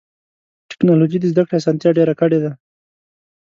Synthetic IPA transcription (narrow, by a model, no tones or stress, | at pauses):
ʈɪ̥knɑlod͡ʒid̪əzd̪akɽeasɑnt̪jaɖeɾakəɽed̪a